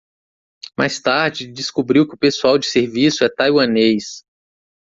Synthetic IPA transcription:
mʔa̰jst̪aɾd͡ʒɪd͡ʒɪskubɾiwkɪʊpesuawd͡ʒɪseɾvisʊɛt̪ajwɐ̃nejs

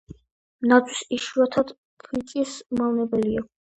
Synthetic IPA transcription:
nad̪wisiʃuat̪ʰad̪̥ | pʰit̪ʼismavnɛbɛlia

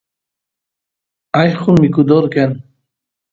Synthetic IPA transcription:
ajχunmikud̪oɾken

